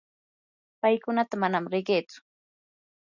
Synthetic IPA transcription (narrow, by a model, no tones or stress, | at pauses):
pajkʊnat̪amanamɾɪɢeːt͡sʊ̥